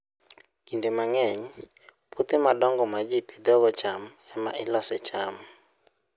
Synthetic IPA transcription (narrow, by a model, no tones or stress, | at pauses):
indemaŋɛɲ | put̪ɪmadɔŋɡɔmad͡ʒipid̪ɔɡɔt͡ʃamɛma̰ʔɪlɔsɛt͡ʃam